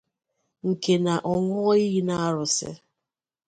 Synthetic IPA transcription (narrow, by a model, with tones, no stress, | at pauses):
ŋ̩˨ke˨na˨ʔɔ˨ŋɔ˦i˦ɣi˦na˦a˦ɾʊ˨sɪ̰˦